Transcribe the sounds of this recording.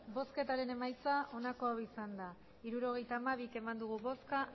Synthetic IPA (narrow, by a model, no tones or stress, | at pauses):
bo̞ske̞t̪aɾe̞ne̞majt͡saʔo̞nako̞awisand̪a | iɾuɾo̞ɣ̞e̞jt̪aːmaβ̞ike̞mand̪uɣ̞uβo̞ska